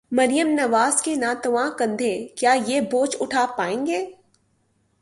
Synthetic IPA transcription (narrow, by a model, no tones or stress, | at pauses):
mɐɾijəmnɐʋaːzkenaːt̪ɐʋãːkɐ̃nd̪ʱẽkjaːjeːboːt͡ʃʊʈʰaːpaːẽːŋɡeː